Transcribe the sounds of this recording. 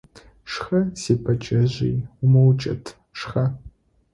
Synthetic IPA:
ʂxɐsiːpʰɐt͡ʃʼɐʑḭːjʊmɐwt͡ʃʼɐ̰tʰ | ʂχɐ

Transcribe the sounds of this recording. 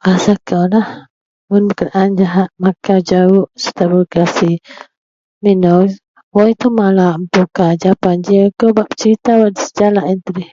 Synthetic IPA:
ʔasakawlah | mʊnbəkənaʔand͡ʒaɦaʔ̪̚makad͡ʒaʊʔsə̥t̪abəkasi | minɔ | wajt̪umalaʔmt̪ukad͡ʒapand͡ʒiakawbaʔpə̥t͡ʃəɾit̪awaʔdisə̥d͡ʒalaʔint̪ədɪh

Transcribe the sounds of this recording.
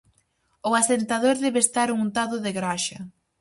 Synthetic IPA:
ʊasent̪aðoɾðɛβest̪aɾuŋnt̪aðʊðɪɣɾaʃɐ

